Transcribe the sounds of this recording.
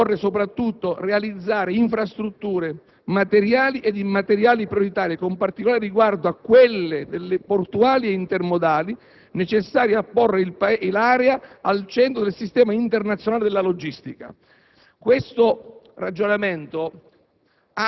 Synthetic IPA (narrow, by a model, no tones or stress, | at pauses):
ɔrːesopɾat̪ːut̪ːorealid̪zːaːɾeiɱfɾast̪ɾut̪ːuːɾe | mat̪eɾjaːliʔed̪imat̪eɾjaːlipɾjoɾit̪aːɾjekompart̪ikolaːɾeriɡward̪oakːwelːed̪elːeport̪uaːlieint̪ermod̪aːli | net͡ʃesːaːɾjapːorːeilpalaːɾɛaalt͡ʃɛnt̪̬ɾod̪elsist̪ɛːmaint̪ernat̪sjonaːled̪elːalod͡ʒist̪ika̰ | kwest̪orad͡ʒːonament̪o | a